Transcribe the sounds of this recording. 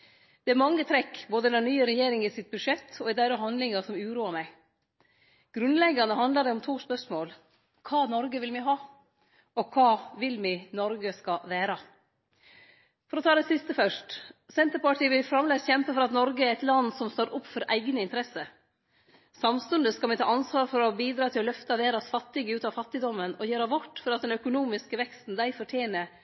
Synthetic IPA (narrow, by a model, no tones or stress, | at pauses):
d̪̥ɛæɾmɑŋːət̪ʰɾɛkːboːd̪ənɛnnyːəɾɛjeːɾɪŋɪsɪt̪̚bʉʂɛt̪ʰːɔɛd̪æɪɾɔɦɑnd̪lɪŋɑsɔmʉːɾuːɑɾmæɪ | ɡ̥ɾʉnlɛɡɑnəhɑnd̪ləd̪ɛʊmt̪ʰuːspœʂmoːl | kʰɑːnɔɾɡəʋɪlmɪɦɑː | ɔkʰɑːʋɪlmɪnɔɾɡəskɑʋæːɾə | fɔɾɔt̪ʰɑːd̪ɛsɪst̪əfœʂʈsɛnt̪əɾpɑʈiːʋɪlfɾɑmleːsçɛmpəfɔɾɑt̪nɔɾɡəɛɾæɪt̪lɑnːsɔmst̪oːɾʔʊpːfɔɾʔæ̰ɪɡnəɪnt̪əɾɛsə | sɑmst̪ʉnd̪əskɑlmɪt̪ʰɑ̰ːʔɑnsʋɑːɾfɔɾɔbiːd̪ɾɑːt̪ʰɪlɔlœft̪ɑʋeːɾɑsfɑt̪ːɪɡəʉːt̪ɑʋfɑt̪ːɪd̪ɔmːənɔjøːɾɑʋʋɔʈːfɔɾɑt̪d̪ɛnœkʊnuːmɪskəʋɛkst̪n̩d̪æɪfɔʈʰjeːnəɾ